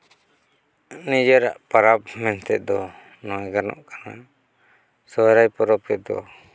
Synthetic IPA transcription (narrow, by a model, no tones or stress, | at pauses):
nid͡ʒəɾa̰ʔpaɾap̚mɛnt̪ɛt̪̚d̪ɔ | nɔɛɡanɔ̰ʔkana | sɔɾajpɔɾɔp̚kɛt̪̚d̪ɔ̰